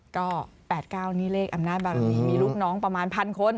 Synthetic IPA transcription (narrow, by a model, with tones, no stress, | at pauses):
kɔː˥˩pɛː˨˩t̪̚kaː˥˩wniː˦˥˩leː˥˩k̚ʔa˧mnaː˥˩t̪̚baː˧˩ɾiː˨˩miː˧luː˥˩k̚nɔː˦˥˩ŋpɾa˧maː˧npʰa˧nkʰo˧n